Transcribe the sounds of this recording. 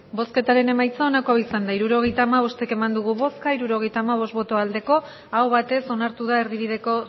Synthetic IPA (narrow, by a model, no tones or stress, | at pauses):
bo̞ske̞t̪aɾe̞ne̞majt͡saonako̞awisand̪aiɾuɾo̞ɣ̞e̞jt̪aːmaβ̞o̞st̪e̞ke̞mand̪uɣ̞uβo̞skaiɾuɾo̞ɣ̞e̞jt̪aːmaβ̞o̞st̪bo̞t̪o̞ald̪e̞ko̞ | awβat̪e̞so̞naɾt̪uð̞ae̞ɾðiβ̞iðe̞ko̞